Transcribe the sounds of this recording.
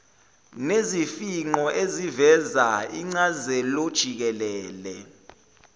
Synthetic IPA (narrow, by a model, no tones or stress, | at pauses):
nezifiŋ͡ǃɔʔezivɛzaiŋ͡ǀazɛlod̥ʒ̥ʱik̬ɛlɛːlɛ̰